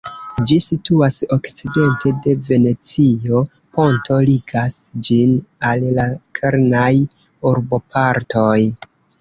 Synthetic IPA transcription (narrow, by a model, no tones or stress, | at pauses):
d͡ʒisituaso̞kt͡side̞ntʰe̞de̞ve̞ne̞t͡sio̞ | po̞nto̞liɡasd͡ʒinallakʰeɾnaj | uɾbo̞pʰaɾto̞j